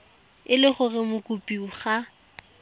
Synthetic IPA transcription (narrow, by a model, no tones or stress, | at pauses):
ɪlɪχʊrɪmʊkʼupʼiʊχa